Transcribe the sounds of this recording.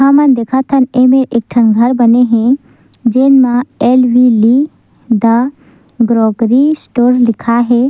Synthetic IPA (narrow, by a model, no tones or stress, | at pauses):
ɦamənd̪eːkʰat̪ʰənemeɾek̚ʈʰənɡʱəɾbəneɦẽ | d͡ʒeːnmãelʋili | d̪a | ɡɾɔːɡɾisʈoɾlɪkʰaɦɛ